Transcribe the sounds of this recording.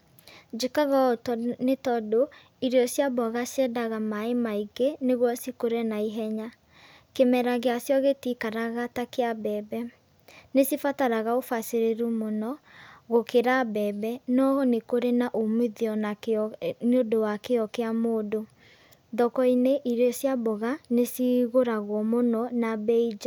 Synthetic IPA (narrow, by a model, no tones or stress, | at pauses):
d͡ʒekaɣatnetɔdo | iɾeɔsjabɔɣasɛdaɣamaemaiɡeneɣwɔsikoɾenaiɦɛɲa | kemɛɾaɣeasjɔɣetikaɾaɣatakeabɛːbɛ | nesifataɾaɣaofaseɾeɾumonɔɣokeɾabɛːbɛnɔɣɔnekoɾenaʔomeðiɔn | neodowakeɔkeamoːdo | dɔkɔineʔiɾesjabɔɣanesiɣoɾaɣwɔmonɔnabɛid͡ʒa